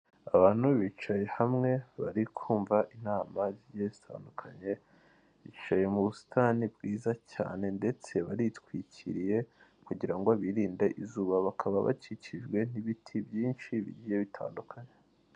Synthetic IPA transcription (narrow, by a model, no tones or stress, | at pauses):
aβaːn̥huβit͡ʃaje̞hamŋe̞βaɾikʰuːɱvaʔinaːmaziɟzitʰa̰ːndukʰaɲe̞ | βit͡ʃaje̞muβusi̥tʰanibɡiːzaca̰ːne̞nde̞t͡se̞βaɾitwicḭɾije̞ | kuɟiɾaŋɡoaβiɾiːndeʔizuːβaβakʰaβaβa̰ciciʒɡwe̞n̥iβitʰibjiːnʃiβḭɟijeβitʰa̰ːndukʰaɲe